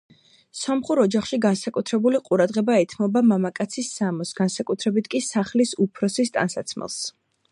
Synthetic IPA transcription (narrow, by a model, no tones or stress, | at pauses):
sɔmχuɾɔd͡ʒaχʃiɡansakʼut̪ʰɾɛbuliqʼuɾad̪ʁɛbaɛt̪ʰmɔbamamakʼat̪sʰisːamɔsɡansakʼut̪ʰɾɛbit̪ʰkʼisaχlisupʰɾɔsist̪ʼa̰nsat̪sʰmɛ̰lˠs